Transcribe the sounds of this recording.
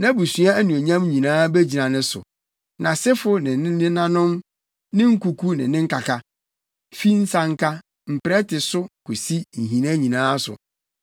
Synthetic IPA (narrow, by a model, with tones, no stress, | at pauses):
nã˦bu˨sɥu˦a˦æ˦nũ˨e˨ɲã˦mɲĩ˨nãː˦bæ˦d͡ʑi˨nã˨nɪ̃˦sʊ̰˨ | nã˨sɪ˦fʊ˦nɪ̃˨nɪ̃˦nɪ̃˦nã˦nʊ̃˦m | nɪ̃˦ŋ̩˦ku˨kʰu˦nɪ̰̃˨nɪ̃˦ŋ̩˦ka˨kʰa˦ | fi˦n̩˦sã˨ŋ̩˦kʰa˦ | m̩˨pɪ˨ɾɛ˦tɪ˨sʊ˦kʰu˨si˦ɲ̩˨ɦĩ˨nã˦ɲĩ˨nãː˦sʊ̰˨